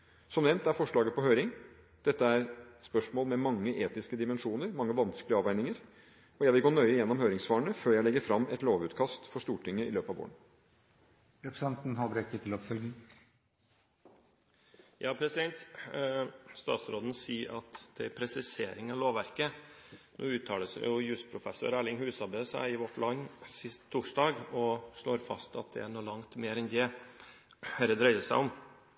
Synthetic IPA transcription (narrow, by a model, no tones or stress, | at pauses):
sɔmnɛʋnt̪æɾfɔʂɭɑːɡəpɔɦhœʏɾɪŋ | d̪̥ɛt̪ːəæɾspœʂmoːlmɛmɑŋːəʔeːt̪ɪskəd̪ɪmɛnʂuːnəɾmɑŋːəʋɑnskəlɪəɑːʋæɪnɪŋəɾ | ɔjæɪʋɪlɡoːnœʏəjɛnːɔmhøːɾɪŋsʋɑːəɳəføːjæɪlɛɡːəɾfɾɑmːɛt̪loːʋʉːt̪kʰɑst̪fɔʂt̪uːʈʰɪŋːəɪ̰løːpɑʋo̰ːən | ɾɛpʰɾəsɑnt̪n̩hɑbɾɛkːət̪ʰɪlɔpfœlɡn̩ | jɑːpʰɾɛsɪd̪ɛnt̪ | st̪ɑ̰ːt̪sɾoːd̪n̩siːɑt̪d̪̥ɛæɾpʰɾɛsɪsḛːɾɪŋɑʋloːʋæɾkənʔṵːʉːt̪ʰːɑːləsjʊjʉːspʰɾʊfɛsʊ̰ɾæːɭɪŋhʉːsɑbeːsæ̰ɪɪʋɔʈːlɑnːsɪst̪ʰːuːʂɖɑːɡɔʂɭoːɾfɑ̰st̪ɑt̪̚d̪ɛ̰æɳoːlɑŋt̪meːɾɛnd̪ɛ | hæɾəd̪ɾœʏd̪əsæ̰ɪɔm